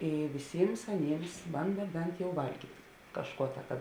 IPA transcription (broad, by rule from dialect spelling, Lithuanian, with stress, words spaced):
ˈiː ʋʲɪˈsʲiːms ɐˈnʲiːms ˈbɐndɐ ˈbʲɛnt jɛʊ ˈʋɐlʲɡʲiːtʲ ˈkɑːʃˌkuɔ tɐ kɐ